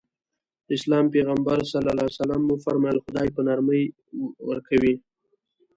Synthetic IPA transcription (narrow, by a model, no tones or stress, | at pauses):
ɪslɑmpeɣambaɾsalalɑsalamːufaɾmɑjlxʊd̪ɑjpənaɾməj | wə̰ɾkawi